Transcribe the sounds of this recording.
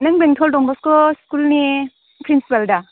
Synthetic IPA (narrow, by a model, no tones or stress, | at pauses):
nɐŋbeŋtʰɔldɔŋbɔskɔskulni | pʰɾinsipaldɐ